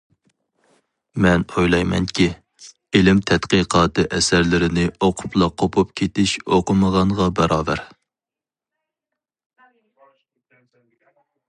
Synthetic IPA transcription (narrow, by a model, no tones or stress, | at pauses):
mɛnojlˠɑjmɛ̰nkʲʰi | elɪmt̪ʰɛt̪qiqʰɑːt̪ʰɨʔɛsæɾlɪɾɪnɪoqʰʊ̥plˠɑqʰopʰup̚kʲʰet̪ɪʃoqəməʁɑnʁɑbɛɾɑːbæɾ